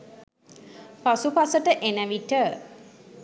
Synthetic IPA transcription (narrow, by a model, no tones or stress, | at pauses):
pasupasəʈəʔenæʋiʈə